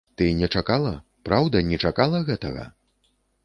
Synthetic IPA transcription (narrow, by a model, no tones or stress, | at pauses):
t̪ɨnʲɛt͡ʂakalˠɐ | pɾawd̪ɐnʲɛt͡ʂakalˠɐɣɛt̪ɐɣɐ̰